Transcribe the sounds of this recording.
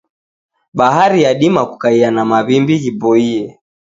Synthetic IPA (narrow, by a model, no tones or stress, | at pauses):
ɓaɦaɾijaɗimaku̥kaianamaβimbiɣibɔiɛ